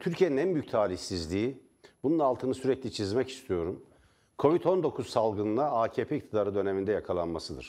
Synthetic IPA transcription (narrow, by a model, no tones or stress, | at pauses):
t̪ʰyɾcʰijeninænbyjyc̚ʲt̪ʰaːlʲiçsizlʲiː | bununːalˠt̪ʰɯnɯsyɾɛclʲit͡ʃʰizmɛci̥st̪ʰijo̞ɾum | kʰo̞vit̪ʰo̞nd̪o̞kʰuzsalˠɡɯnɯaaːcʰeːpʰeic̚t̪ʰid̪aːɾɯd̪ø̞ne̞mind̪ɛjakʰalˠanmasɯd̪ɯ̰ɾ̥